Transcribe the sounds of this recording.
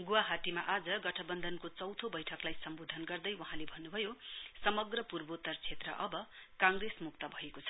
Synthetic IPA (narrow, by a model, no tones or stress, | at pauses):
ɡuwaɦatimaʔad͡zʌɡʌʈʰʌbʌnd̪ʱʌnkot͡sʌwt̪ʰobʌjʈʰʌklajsʌmbod̪ʱʌnɡʌrd̪ʌjwʌɦãlebʱʌnːubʱʌjosʌmʌɡrʌpurbot̪ʌrt͡sʰet̪rʌ̰ʔʌbʌkãŋresmuk̚t̪ʌbʱʌekot͡sʰʌ̥